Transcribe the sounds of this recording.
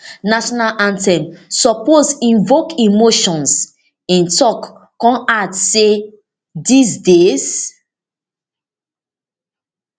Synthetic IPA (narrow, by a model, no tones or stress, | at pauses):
naʃɔnalʔãntɛ̃nsɔposĩnvokimoʃɔ̃ns | ĩntɔkː | ɔ̃nadse | disdez